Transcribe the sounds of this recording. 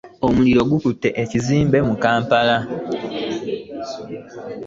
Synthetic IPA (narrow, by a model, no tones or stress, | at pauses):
omuliɾo̞ɡukutːe̞ʔeciziːmbe̞mukaːmpala